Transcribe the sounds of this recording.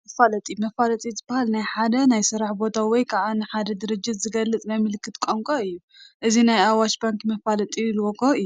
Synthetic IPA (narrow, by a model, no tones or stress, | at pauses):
mɐfalɐt̪ʼimɐfalɐt̪ʼizɨbahalnajħad̪ɐnajsɨɾaħbo̞t̪ʰawɔjkʰaʕanɨħad̪ɐd̪ɨɾɨd͡ʒːɪt̪zɨɡɐlːɨt͡sʼnajmɨlɨkʰːɨt̪kʷʼoŋkʼoɨjːu | ʔɨzinajawaʃbaŋkʼmɐfalɐt̪ʼilwokʰoɨjːu